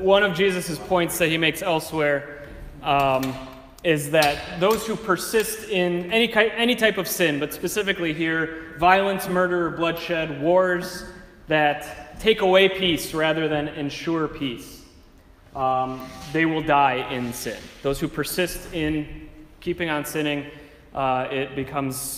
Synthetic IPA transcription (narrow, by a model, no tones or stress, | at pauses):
wʌ̃ñʌvd͡ʒizɨsɨz̥pʰɔ̃ɪ̃ntsðɨt̚himeɪksɛlˠswɛɹ | ɪzðɨt̪̚ðoʊz̥hupʰə˞sɪstɪ̃nɛnikʰaɪɛñitʰaɪpʌv̥sɪ̃nbʌtspɨsɪfɨkliɦiɹvaɪlˠə̃nsmɜ˞ɾə˞ə˞blʌd̥ʃɛd̚wɔɹz | ðɨtʰeɪkəweɪpʰisɹæðə˞ðɨ̃nɨ̃nʃʊɹpʰis | ðeɪwɪlˠdaɪʔɪ̃nsɪ̰̃nðoʊz̥hʉpʰə˞sɪstɪ̃nkʰipɪ̃ŋə̃nsɪ̃ñɪ̃ŋ | ɪt̚b̥ɨkʰʌ̃mz̥